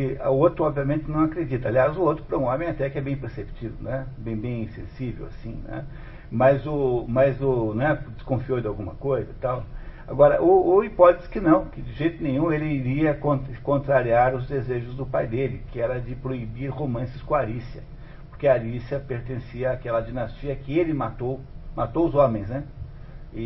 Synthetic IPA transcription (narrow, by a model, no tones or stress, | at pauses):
kɪʊot̪ɾʊɔbviɐmẽnt̪ɪnɐ̃w̃akɾed͡ʒit̪ɐaliazʊot̪ɾʊpɾɐũõmẽj̃at̪ɛkɪɛbẽj̃peɾsepi̥t͡ʃid̪ʊnɛbẽj̃bẽj̃sḛ̃sivḛwa̰sĩnɛ̰ | mɐzʊmɐzʊñɛd͡ʒ̪ɪskõfiowd͡ʒɪawɡũmɐkojzɐt̪awa̰ɡɔɾɐ̰ʔʊːipɔt̪ez̥kɪnɐ̃w̃kɪd͡ʒɪʒejt̪ʊnẽj̃ũelɪiɾiɐkõt̪kõnt̪ɾaɾiaɾʊzd̪ezeʒʊzd̪ʊpajd̪elɪkɪɛɾɐd͡ʒɪpɾoibiɾhomɐ̃sɪ̥skõaɾisiɐ | poɾkeaɾisjɐpeɾt̪ẽsiɐaːkɛlɐd͡ʒinast͡ʃiɐkɪelɪmat̪owmat̪owʊzõmẽj̃znɛ | ɪ